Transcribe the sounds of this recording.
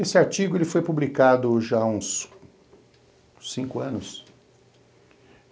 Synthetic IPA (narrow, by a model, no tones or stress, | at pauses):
esɪaɾt͡ʃiɡʊelɪfojpublikad̪ʊʒaũs | sĩŋkʊɐ̃nʊs